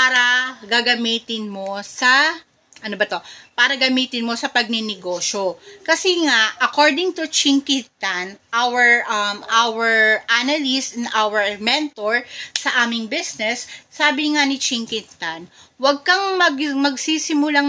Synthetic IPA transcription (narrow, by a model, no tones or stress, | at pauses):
paːɾɐɡɐɡɐmiːt̪ɪnmo̞sɐ | ʔɐnobɐt̪o̞paːɾɐɡɐmiːt̪ɪnmo̞sɐpɐɡ̚nɪnɪɡoːʃokɐsɛŋaʔɐkoɹd̪ɪŋt̪ʊt͡ʃɪŋkɪt̪anʔawɛɹʔɐmʔawɛɹʔanalɪst̪ɛnʔawɛɹmɛnt̪oɹsɐʔaːmɪŋbɪsnɛsːaːbɪŋanɪt͡ʃɪŋkɪt̪ɐnwɐɡ̚kɐŋmɐɡmɐɡ̚sisɪmʊlaŋ